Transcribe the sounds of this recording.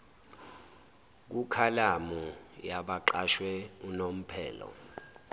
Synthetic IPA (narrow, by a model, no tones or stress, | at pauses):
k̬ukʰalamujaɓaǃaʃwɛunom̩pʰɛːlɔ̰